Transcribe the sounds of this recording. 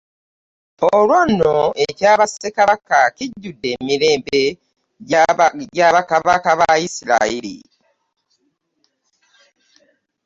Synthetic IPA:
olwonːoʔe̞caːβasekaβakaciɟːudːe̞ːmiɾe̞ːmbe̞ | ɟaɟaːβakaβakaβaisila̰ilḭ

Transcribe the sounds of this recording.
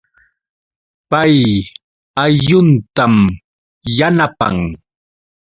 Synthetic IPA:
paj | ajʎʊnt̪am | janapa̰ŋ

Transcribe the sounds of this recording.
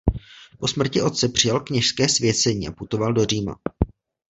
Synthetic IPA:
po̞smr̩cɪʔo̞t̪̚t͡sɛpr̥ɪjalkɲɛʃskɛːsvjɛt͡sɛɲiːʔa̰put̪o̞valdo̞riːma̰

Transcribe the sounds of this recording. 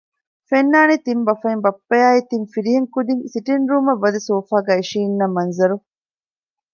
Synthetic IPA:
fenːaːnit̪imbɐfɐimbɐpːɐjaːit̪infiɾiɦeŋkud̪iŋsiʈinɾuːmɐʋːɐd̪ɐsoːfaːɡæːiʃiːnːɐmɐnzɐɾu

